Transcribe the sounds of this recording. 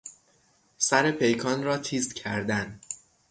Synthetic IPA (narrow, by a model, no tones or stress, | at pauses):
sæɾe̞pʰe̞jkʰɒːnɾɒːt̪ʰiːst̪cʰæɾd̪æn